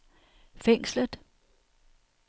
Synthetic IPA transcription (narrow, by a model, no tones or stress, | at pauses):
feŋ̰sləðˠ